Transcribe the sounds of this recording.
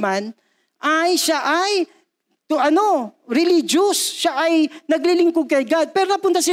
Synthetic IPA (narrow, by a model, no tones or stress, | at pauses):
man | ʔajʃaʔɐj̪ | ʔɐno̞ɾɪlid͡ʒosːaʔɐjnɐɡlilɪŋkoɡ̚kɐjɡad̪̚pɛːɾonɐpʊnt̪ɐsɪ